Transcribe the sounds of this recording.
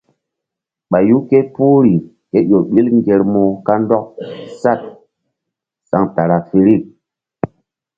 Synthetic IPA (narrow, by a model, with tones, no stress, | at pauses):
ɓa˨ju˦ke˦pu˦ɾi˨ | ke˦jo˨ɓi˦lŋɡe˨ɾmo˨ka˦ndɔ˦k̚sa˦t̚ | sa˨ŋta˨ɾa˨fi˨ɾi˦˨t̚